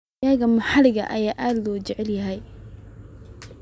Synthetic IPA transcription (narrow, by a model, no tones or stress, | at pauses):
aːɣɐmɐħɑlɪɣɐ̰ʔɐjaːʔaːd̪lɔːt͡ʃɛʕɛljɐɦɛj